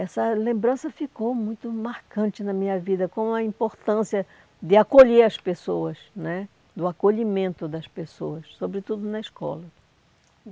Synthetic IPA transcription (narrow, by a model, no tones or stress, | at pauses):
ɛsɐlẽmbɾɐ̃sɐfikowmũj̃t̪ʊmaɾkɐ̃nt͡ʃɪnɐmĩɲɐvid̪ɐkõɐĩmpoɾt̪ɐ̃siɐ | d̪ɪakoʎeɐspesoɐsnɛ | d̪ʊakoʎimẽnt̪ʊd̪ɐspesoɐssobɾɪt̪ud̪ʊnɐɪskɔ̰lɐ